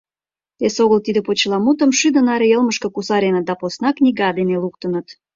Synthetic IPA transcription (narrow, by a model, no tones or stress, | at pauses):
esoɣəlt̪id̪ə̆pot͡ɕlɑmut̪əmʃyd̪ə̆nɑɾejəlməʃkə̆kusɑɾʲenət̪̚d̪ɑposnɑknʲiɣɑd̪eneluk̚t̪ənət̪